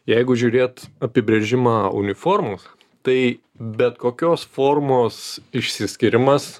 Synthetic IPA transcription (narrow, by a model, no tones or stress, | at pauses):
jɛɪɡʊʒʲuːɾʲeːt̪ɐpʲɪbʲɾʲeːʒʲɪmɑːʊ̰nʲɪfoːɾmʊs | t̪ɐɪ | bʲɛt̪koːkʲoːsfoːrmoːsɪʃʲsʲɪsʲkʲɪɾʲɪmɐs